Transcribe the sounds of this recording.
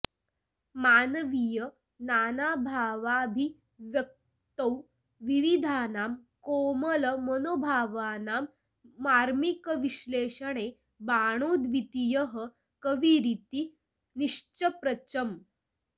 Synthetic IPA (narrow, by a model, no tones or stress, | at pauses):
maːnəʋijə | nanabʱaːʋabʱi | ʋjək̚ | t̪əw | ʋiʋid̪ʱaːnaːmkomələmənobʱaːʋanaːmː | aːɾmikəʋiɕleɕəɽe | baɽ̃oːd̪ʋit̪ijəɦə | kəʋiɾit̪i | niʂt͡ɕəpɾət͡ɕəm